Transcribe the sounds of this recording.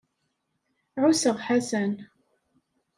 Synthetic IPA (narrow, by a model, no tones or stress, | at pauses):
ʕusəʁħasæn